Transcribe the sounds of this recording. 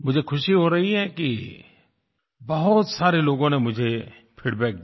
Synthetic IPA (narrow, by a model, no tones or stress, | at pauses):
mʊd͡ʒʱekʰʊʃiɦoɾɐɦiɦɛki | bɐɦʊt̪saːɾeloːɡõnemʊd͡ʒʱe | pʰiːɽbɛːk̪̚